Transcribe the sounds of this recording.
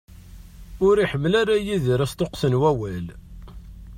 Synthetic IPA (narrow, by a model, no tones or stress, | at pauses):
ʊɾiħəmːlaɾajiðəɾæst̪oqθənwæwæl